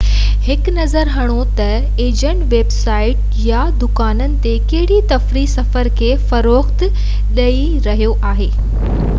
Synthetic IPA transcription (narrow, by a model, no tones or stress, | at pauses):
hɪknɐzəɾɦɐɽ̃ot̪ɐ | eːd͡ʑə̃ɳʈʋeːbsaːɪʈ | ja | d̪ʊkaːnənɪ̆t̪ekɐɦɪɽit̪ɐfɾisɐfəɾkʰeːfɐɾoːxt̪ | ɗɐi | ɾɐɦijoʔaːɦeː